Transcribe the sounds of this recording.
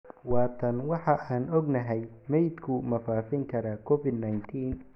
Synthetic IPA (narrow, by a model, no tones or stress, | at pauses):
wɑːt̪ʰɐnwɑħɑʔaːnɔɡnɐɦɛj | mɛjd̪kʰʊmɐfaːfɪŋkʰɐɾaːkʰɔfɪd̪najnt̪ʰiːn